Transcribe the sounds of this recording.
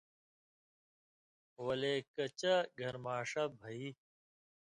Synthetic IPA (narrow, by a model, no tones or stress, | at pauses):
wɐleːkɐt͡ɕɐɡʱɐɾmaːʂɐbʱɐi